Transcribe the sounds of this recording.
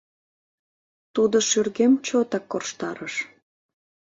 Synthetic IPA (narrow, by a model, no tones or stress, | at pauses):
t̪ud̪oʃyrɣemt͡ɕot̪ɑkːorʃt̪ɑɾəʃ